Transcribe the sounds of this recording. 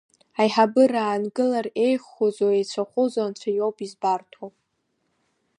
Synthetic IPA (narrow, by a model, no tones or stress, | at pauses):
ajħabɨraːnɡɨlare̞jχozoejt͡ɕʷʰaχʷʊzant͡ɕʷʰajowpʰʼizbartʰop